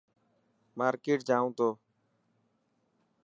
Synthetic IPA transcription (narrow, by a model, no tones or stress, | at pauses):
maːɾkeːʈ̚d͡ʒãːũːt̪oː